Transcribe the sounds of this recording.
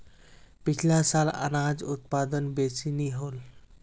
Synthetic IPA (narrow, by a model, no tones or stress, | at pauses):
pikʰlasala̰nad͡zut̪̚pad̪ənbesiniɦol